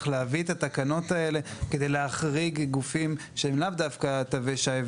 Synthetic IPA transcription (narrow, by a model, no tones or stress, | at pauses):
leavit̪at̪akano̞t̪ae̞le̞ked̪e̞jleaχʁiɡɡufim | ʃeemlavd̪afkat̪aveʃaev